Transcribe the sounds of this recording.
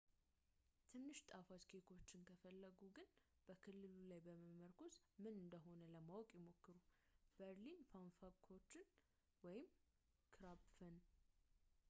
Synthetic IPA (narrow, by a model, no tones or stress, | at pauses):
t̪ʰɨnːɨʃt̪ʼafaskʰek̪ʰo̞t͡ʃːɪnkʰəfəlːəɡuɡɨn | b̥əkʰɨlːɨlulajbəməməɾkʰo̞smɨnɨnd̪əɦo̞nələmawɔkʼjɪmo̞kːɨɾub̥əɾlinpʰanfakʰo̞t͡ʃːɪn | wɔjɪm | kʰɾabfən